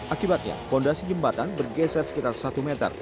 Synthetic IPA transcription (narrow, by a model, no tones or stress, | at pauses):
ʔakibat̪̚ɲa̰pɔndasid͡ʒəmbat̪anbərɡɛsɛrsə̥kit̪arsat̪umɛt̪ə̰r